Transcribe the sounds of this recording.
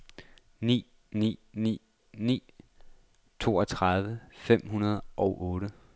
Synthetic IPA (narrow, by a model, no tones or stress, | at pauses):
nḭː | nḭːnḭː | nḭː | t͡sʰo̝ːɒ̽t͡sʰʁɑð̞ˠʋəfem̰ɦunɐð̞ˠʔɒ̽ʊʔɔ̽ːɾə